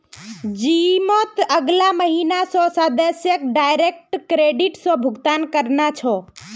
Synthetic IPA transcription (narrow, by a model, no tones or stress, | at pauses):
d͡ʒimot̪əɡlaməɦinasɔ̃sad̪əsjəkɖajɾek̚ʈkɾeɖiʈsɔ̃bʱʊɡt̪ankəɾnat͡ʃʰɔ